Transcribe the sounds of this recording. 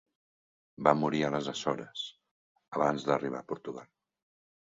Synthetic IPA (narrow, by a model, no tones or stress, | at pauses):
bamuɾiələzəsɔɾəs | əβanzðəriβ̞a̰ːpuɾt̪uɣalˠ